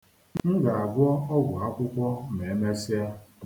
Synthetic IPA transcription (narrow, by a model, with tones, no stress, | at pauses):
ŋ̩˦ɡa˨a˨ɡʷɔ˦ɔ˦ɡʷʊ˨a˦kʷʊ˦kʷɔ˦me˨e˦me˦si˦a˦